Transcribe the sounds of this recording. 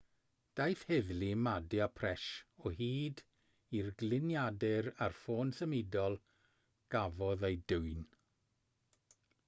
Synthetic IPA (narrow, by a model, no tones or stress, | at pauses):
d̥ajθhɛðlimadɪapʰrɛʃɔɦiːd | irɡlɪnjadɪɾarfoːnsəmɪdɔlˠ | ɡ̥avɔðejduwɨn